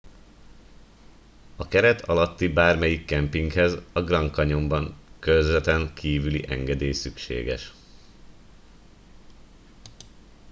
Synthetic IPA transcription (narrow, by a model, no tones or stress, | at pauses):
ɒkɛɾɛt̪ʰɒ̰lɒt̪ːibaːrmɛjikːɛmpiŋkhɛzɒɡrɒŋkɒɲo̞mbɒŋkøzɛt̪ɛŋkʰiːvylḭʔɛŋɡɛd̪eːjsykʃḛːɡɛ̰ʃ